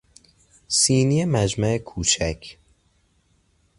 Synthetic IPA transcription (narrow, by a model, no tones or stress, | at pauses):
siːnijemæd͡ʒmæekʰuːt͡ʃʰæcʰ